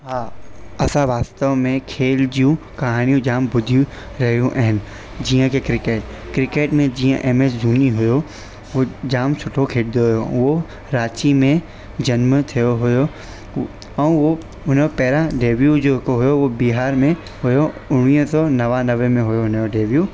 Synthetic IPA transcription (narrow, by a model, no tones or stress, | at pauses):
ɦaːɐsãʋaːst̪əʋmẽkʰeːld͡ʒijũ | kɐɦaːnijũd͡ʒaːmbʊd̪ʱjũ | ɾɐɦjũʔɛɦɪn | d͡ʒijə̃kekɾɪkeːʈ | kɾɪkeːʈmẽd͡ʒiːə̃ʔemeːsd͡ʒuːniɦʊjo | ʋod͡ʒaːmt͡ʃʰʊʈʰokʰeːɽd̪oɦʊjoʋo | ɾaːt͡ʃimẽ | d͡ʑɐnmt̪ʰijoɦʊjo | ɛ̃ʋo | ʊnopɛːɾaɖeːʋjud͡ʑoːɦkoɦʊjoʋobiɦaːɾmẽ | ɦʊjoʊɽ̃iə̃sɔːnɐʋanɐʋemẽɦʊjoʊnjoɖeːʋjuː